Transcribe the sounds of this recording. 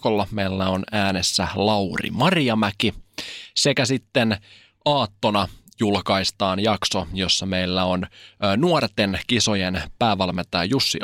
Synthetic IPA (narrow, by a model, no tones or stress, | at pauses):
olːɑmeilːæonæːnesːælɑwrḭmɑrijɑmækisekæsit̪ːen | ʔɑːt̪ːonɑjulkɑist̪ɑːnjɑksojo̞sːɑmeilːæonnuort̪enkisojenpæːʋælmet̪æːjusːi